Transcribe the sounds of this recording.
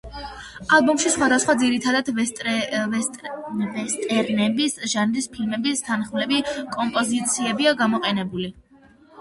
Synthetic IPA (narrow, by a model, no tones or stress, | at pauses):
alˠbɔmʃisχwad̪asχwad̪ziɾit̪ʰad̪ad̪tʼ | vɛst̪ʼɛɾnɛbisʒanɾispʰilmɛbist̪ʰanχmlɛbikʼɔmpʼɔzit̪sʰiɛbiaɡamɔqʼɛnɛbuli